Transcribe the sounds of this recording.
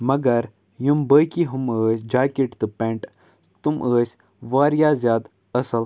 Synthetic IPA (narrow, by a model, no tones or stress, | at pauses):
mɐɡɐɾ | jumbəːkiɦuməːsʲd͡ʒaːkiʈt̪ɨpeɳʈ | t̪umʔəːsʲ | ʋaːɾjaːzʲjaːd̪ | ɐsɐl